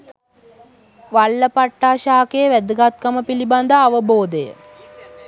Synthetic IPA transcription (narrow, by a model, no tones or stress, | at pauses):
ʋalːəpaʈːaːʃaːkejəʋæd̪əɡat̪̚kaməpiliband̪əːʋəboːd̪əjə̰